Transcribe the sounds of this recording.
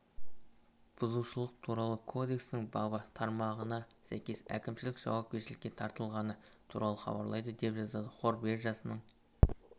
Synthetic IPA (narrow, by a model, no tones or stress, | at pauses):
b̥ʊzuʃəlˠəqt̪ʰuɾɑlˠəkʰo̞d̪e̞kst̪ɪŋbɑbət̪ʰɑɾmɑʁənɑsæjkʲe̞sæ̰kʲɪmʃɪlɪkʒ̥ɑ̰wɑp̚kʲe̞ʃɪlɪkʲːe̞t̪ʰɑɾt̪əlˠʁɑnət̪ʰṵɾɑlˠəχɑ̰bɑ̰ɾlˠɑjd̪əd̪e̞pʒɑzɑd̪əqʰo̞ɾbe̞ɾʒɑsənəɴ